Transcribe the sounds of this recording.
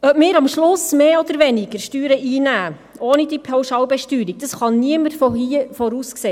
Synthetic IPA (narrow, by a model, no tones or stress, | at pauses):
œmɪːɾɑmʃlʊsmeːɔd̪əɾʋɛnɪɡ̥əɾʃtyːɾəʔiːnæː | ʔoːnidipʰɛwʃɑwbɛʃtyːɾiɡ̚d̥ɑsχɑnniəməɾfɔifɔɾuskseː